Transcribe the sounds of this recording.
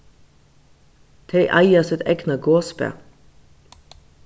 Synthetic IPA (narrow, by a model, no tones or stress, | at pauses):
t̪ʰeɪʔɑɪɑsɛt̪ɛɡnɑɡoːspḛ